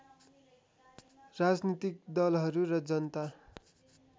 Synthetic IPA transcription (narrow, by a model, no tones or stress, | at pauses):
rad͡znit̪ik̚d̪ʌlɦʌɾuɾʌd͡zʌnʌt̪a